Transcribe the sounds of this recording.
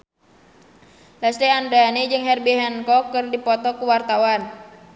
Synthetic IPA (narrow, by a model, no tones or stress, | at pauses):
lɛsliandaned͡ʒɨŋɦɛrbiɦɛnkɔkːɨrdipɔt̪ɔkuwart̪awan